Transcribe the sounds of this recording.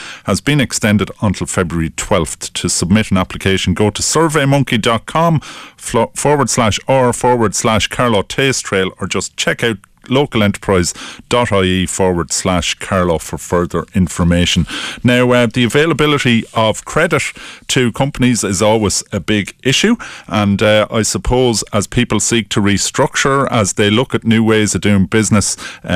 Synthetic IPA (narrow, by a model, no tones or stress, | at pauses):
həzbĩnɛkstɛ̃ndɪɾə̃ntʰɪlˠfɛbɹuəɹitʰw̥ɛlˠftʰəsəb̚mɪɾə̃naplɪkʰeɪʃə̃n̩ɡoːɾəsɜ˞veɪmʊ̃ŋkidɒt̚kʰɒ̃m | fɔːɹwə˞d̥slaʃɔfɔːɹwə˞d̥slaʃkʰaɹlɔtʰeːstʰɹ̥eɪlə˞d͡ʒʌst͡ʃʰɛkaʊt | loːkəlɛ̃ntə̥pʰɹ̥aɪzd̥ɒɾaɪiːfɔːɹwə˞d̥slaʃkʰaɹlɔfə˞fɜ˞ðə˞ɪ̃ɱfə˞meːʃə̃nnaʊðiəveːləbɪlɪɾiəv̥kʰɹ̥ɛdɪttʰəkʰʊ̃mpənizɪzɔːlˠwɪz̥əbɪɡɪʃʉʔə̃ndʔa̰ɪsəpʰoːzəz̥pʰiˑpəlˠsiˑk̚tʰəɹistɹ̥ʊk̚t͡ʃə˞əzðeɪlʊkətⁿnjʉːweːz̥əvdʉɪ̃ŋbɪznɪs